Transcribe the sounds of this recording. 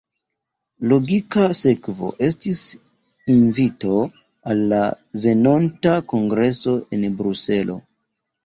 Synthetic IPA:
lo̞ɡikase̞kvo̞̰ʔe̞stis | invito̞ | alːa | ve̞nontako̞ŋɡɾe̞so̞e̞nbɾuse̞lʔo̞̰

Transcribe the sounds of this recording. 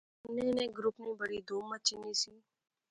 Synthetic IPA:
nẽːnẽːɡɾʊpnĩːbəɽiːd̪oːmːət͡ʃiniːsiː

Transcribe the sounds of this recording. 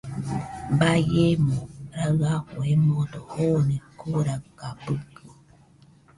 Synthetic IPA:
bajemõɾaakoemõdohonekoɾakapɨkɨ

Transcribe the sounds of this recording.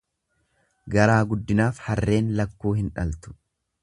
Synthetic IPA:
ɡɐɾaːɡʊd̪ːɪnaːfhɐrːe̞ːnlɐkːuːhɪnᶑɐlt̪ʊ̥

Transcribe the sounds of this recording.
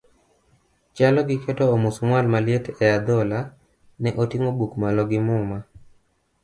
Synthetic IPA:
t͡ʃalɔɡɪketoːmusumwalmaljetɛad̪ɔla | nɛʔotiŋobukmalɔɡɪmʊma

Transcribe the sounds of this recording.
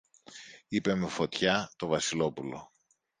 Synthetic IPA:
ipe̞me̞fo̞t̪çɐt̪o̞vɐsilo̞pulo̞̰

